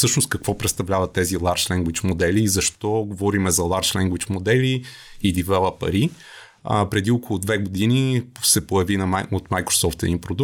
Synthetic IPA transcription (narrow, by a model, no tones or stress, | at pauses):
sɤʃnost̪kɐkvɔpɾɛt̪st̪ɐvlʲavɐt̪ːɛzilˠaɾʃlɛŋɡwit͡ʃmod̪ɛlizɐʃt̪ɔɡovɔɾimɛzɐlˠaɾʃlɛŋɡwit͡ʃmod̪ɛli | id̪ivɛlˠəpɐ̰ɾi | ə̰pɾɛd̪iokolˠʊd̪vɛɡod̪inisɛpojɐvinɐot̪majkɾo̥sɔft̪ɛd̪inpɾod̪u